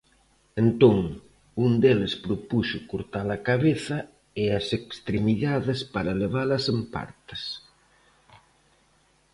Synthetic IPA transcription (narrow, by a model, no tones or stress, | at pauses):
ent̪oŋ | und̪elespɾopusʊkoɾt̪alɐkaβeθɐ | easekst̪ɾemiðaðespaɾɐleβ̞alɐsempa̰ɾt̪ḁs